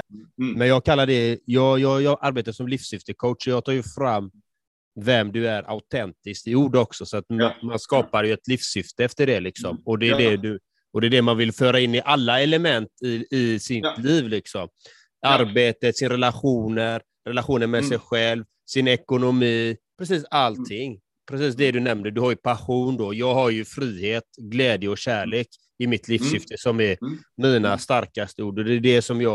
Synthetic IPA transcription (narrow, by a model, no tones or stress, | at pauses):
mɛnjɑːɡkʰalːaɖɛjɑːjɑːjɑːɡʔaɾbeːt̪aʂɔmliːfsjʏft̪əkʰoʊt̪ʂɔjɑːɡ̚t̪ʰɑːjɵfɾamː | vɛmd̪ɵæɾʔa̰ʊt̪ʰɛnt̪ɪskt̪ɪuːɖɔksɔsɔat̪manskɑːpaɾjɵɛt̪liːfsʏft̪əɛft̪əɖɛlɪksɔmɔd̪ɛːdɛd̪ɵ | ɔd̪ɛːɖɛmanvɪlfœːɾaɪnːɪʔalːaɛləmɛnt̪ɪɪsɪt̪liːvlɪksɔm | aɾbeːt̪ət̪sɪnaɾɛlaɧuːnəɾ | ɾɛlaɧuːnəɾmɛsɛjɧɛlv | sɪnɛkʊnʊmiːpʰɾɛsiːsalt̪ʰːɪŋː | pʰɾɛs̬iːsd̪ɛd̪ɵnɛmd̪əɖɵhaɾjɵpʰaɧuːnd̪ɔjɑːɡɦaɾjɵfɾiːheːt̪ɡlɛːd̪jəɔɕæːɭeːk | ɪmɪt̪ʰliːfsjɪft̪əsɔmɛɾmiːnast̪aɾkast̪əuːɖɔd̪ɛːɖɛsɔmjɑː